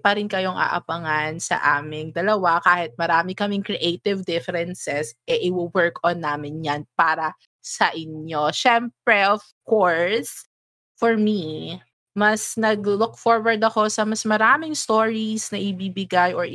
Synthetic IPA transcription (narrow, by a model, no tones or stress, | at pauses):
pɐɾɪnkɐjo̞ŋʔɐ̰ʔɐ̰pɐŋansɐ̰ʔaːmɪŋd̪ɐlɐwakaːhɪt̪̚mɐɾaːmɪkɐmɪŋkɾɛʔejt̪ɪvd̪ɪfɛɾɛnsɛsʔɛʔɪwɪwɛɹkɔnːaːmɪnjanpaːɾɐ | sɐʔɪnoʃɛmpɹɛf | koɹs | fɔɹmi | mɐsnɐɡlʊk̚foɹwɐɹd̪ɐko̞sɐmɐsmɐɾaːmɪŋst̪oːɹisnɐʔɪbibɪɡajʔɔɹ